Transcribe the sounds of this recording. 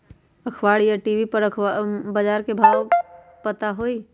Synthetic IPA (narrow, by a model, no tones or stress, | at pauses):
ɐkʰwaːɽijaʈiːʋipɐɾəkʰabəd͡ʒaːɾkebʱaːw | pət̪aɦoːiː